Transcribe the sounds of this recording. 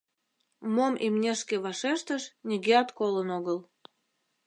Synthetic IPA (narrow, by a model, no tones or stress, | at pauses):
momʔimnʲeʃkeβɑʃeʃt̪əʃnʲiɣeɑt̪kolənoɣəl